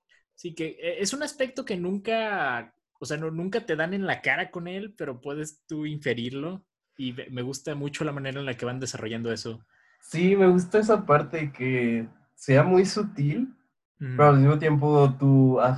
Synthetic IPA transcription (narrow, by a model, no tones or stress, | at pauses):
sike̞eesunaspe̞k̚t̪o̞ke̞nũŋka | oseanonũŋkat̪e̞ðane̞nlakaɾako̞ne̞lpe̞ɾo̞pwe̞ðest̪uiɱfe̞ɾiɾlo̞ | imeme̞ɣust̪amut͡ʃo̞lamane̞ɾaenlake̞βand̪e̞saro̞ʝand̪o̞e̞so̞ | sime̞ɣus̬t̪aes̬apaɾt̪eke | se̞amujsut̪il | peɾoalmizmo̞t̪je̞mp̬ot̪ua